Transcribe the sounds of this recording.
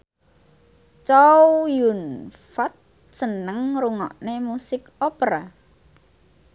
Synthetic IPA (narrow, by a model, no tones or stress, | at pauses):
t͡ʃɔwjunfat̪̚ | sənəŋɾuŋɔ̰ʔnemusɪkopɾa